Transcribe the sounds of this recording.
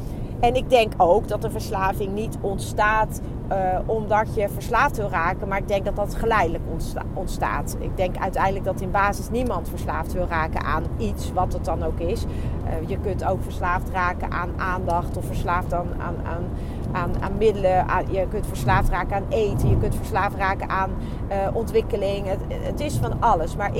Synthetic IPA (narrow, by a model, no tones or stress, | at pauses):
ɛnɪɡ̚dɛŋkowkdɑtdəvəɹslaːvɪŋnitɔntstaːt | ɔmdɑtjəvəɹslaːftʋɪlˠraːkənmaːɹɪɡ̚dɛŋk̚dɑtdɑtχəlɛjdələk | ɔntsta̰ːt | ɪ̰ɡ̚dɛŋkœ̰ɥtɛjndələɡ̚dɑtɪnbaːzɪsnimɑntfəɹslaːftʋɪlˠraːkə̰ʔa̰ːnitsʋɑtədɑnowkɪsjəkɵntowkfəɹslaːftraːkə̰nʔaːnʔaːndɑχtɔfəɹslaːftaːna̰na̰ːn | aːna̰ːnmɪdələʔa̰jəkɵntfəɹslaːftraːkəaːnejtəjəkɵntfəɹslaːfraːkəʔaːn | ʔɔntʋɪkəlɪŋət | ə̰tɪsfɑnɑləsmaːɹ